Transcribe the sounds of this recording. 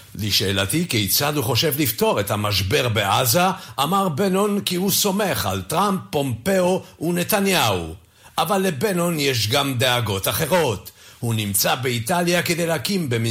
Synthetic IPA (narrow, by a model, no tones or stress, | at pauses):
liʃeːlat̪ikejt͡sad̪huχo̞ʃevlift̪o̞ʁet̪hamaʃbeʁbeʔazaʔːmaʁbenonkihuso̞me̞χa̰lt̪ʁampːo̞mpeounet̪anjau | ʔavalːebenonjeʃ̬ɡamd̪eaɡo̞t̪aχe̞ʁo̞t̪hunimt͡sabeit̪aljaked̪ejleakimbem